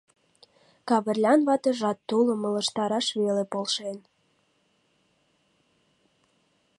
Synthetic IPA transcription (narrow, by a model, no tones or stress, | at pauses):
kɑβərlʲɑnβɑt̪əʒɑt̪ːulə̆mə̆lə̆ʃt̪ɑɾɑʃβelepolʃen